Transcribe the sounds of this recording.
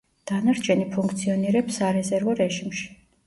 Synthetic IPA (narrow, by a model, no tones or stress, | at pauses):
d̪̥anaɾt͡ʃʰɛnipʰuŋk̚ʰt̪sʰiɔniɾɛpsaɾɛzɛɾvɔɾɛʒimʃi̥